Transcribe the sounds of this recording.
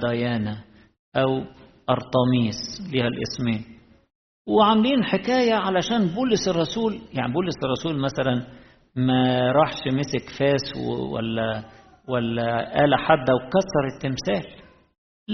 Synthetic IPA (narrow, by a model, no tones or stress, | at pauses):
d̪æjæːna | ʔæwʔɑɾˤt̪ˤɑmiːsliːhælʔɪ̰smiːn | wɪʕamliːnħɪkæːjaʕalæʃæːnbuːlɪsɪrˤːɑsuːljaʕnibuːlɪsɑrˤːɑsuːlmæsælæn | mæɾˤɑħʃmɪsɪkfæːsw̰wæ̰lːæ | wælːæʔæːlæħad̪ːæwkɑsːɑɾˤɪt̪ːɪmsæːl